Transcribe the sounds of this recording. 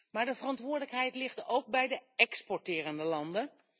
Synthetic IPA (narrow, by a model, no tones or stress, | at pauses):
maːɹdəvərɑntʋʊːɹdələkɦɛjtlɪχtowk̚bɛjdəɛkspɔɹtɪːrəndəlɑndə